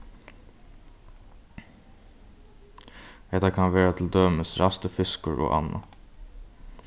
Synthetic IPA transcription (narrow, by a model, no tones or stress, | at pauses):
ɛt̪ɑkʰɑnʋeːɾat̪ʰl̩d̪øːməsɾʔɑst̪əfʏskəɹʔo̰ːʔɑ̰nɑ̰